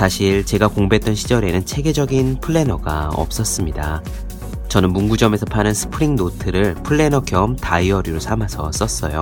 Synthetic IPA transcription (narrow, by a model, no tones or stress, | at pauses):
sʰaɕʰiɭt͡ɕe̞ɡakoŋbet͈wʌnɕʰid͡ʑʌɾe̞nɯnt͡ɕʰe̞ɡe̞d͡ʑʌɡinpʰɯɭːe̞nʌɡa̰ʌ̰p̚s͈ʌs͈ɯmɲida | t͡ɕʌnɯnmunɡud͡ʑʌme̞sʰʌpʰanɯnsʰɯ̥pʰɯɾiŋnotʰɯɾɯɭpʰɯɭːe̞nʌkjʌmtaiʌɾiɾosʰamasʰʌs͈ʌs͈ʌjo